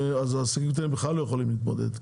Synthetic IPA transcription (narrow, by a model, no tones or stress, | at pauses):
azaːsakimt̪̬eimbeχlalːojeχolimliːt̪mod̪ḛd̪